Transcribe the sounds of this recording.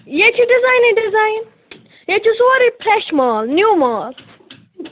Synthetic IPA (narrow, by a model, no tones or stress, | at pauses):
jet͡ʃʰiɖizajniɖizajn | jet͡ʃʰisuɐɾipʰɾeʃmaːlnjuːmaːl